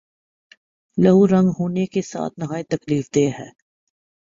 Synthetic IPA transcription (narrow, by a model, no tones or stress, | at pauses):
lɐɦuɾɐ̃ŋɡɦoːnekesa̰ːt̪̚ʰnɐɦaːit̪ɐkliːfd̪eːɦɛː